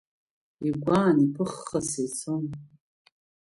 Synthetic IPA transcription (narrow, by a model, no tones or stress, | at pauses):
iɡʷaːnipʰɨχːɐset͡sʰom